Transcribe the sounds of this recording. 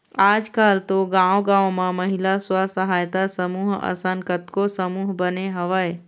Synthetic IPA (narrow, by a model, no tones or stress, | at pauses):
aːd͡ʒkaːlt̪oɡãːõɡãːõmãməɦɪlaswasəɦaːjt̪asəmuːɦə̰sənkət̪kosəmuːɦbəneɦəʋəe